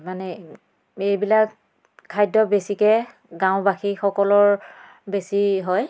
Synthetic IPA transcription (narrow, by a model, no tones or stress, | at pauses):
manɛ | ejbilak | kʰːajdɔbesikɛ | ɡãw̃baxixɔkɔlɔɹ | besiɦɔj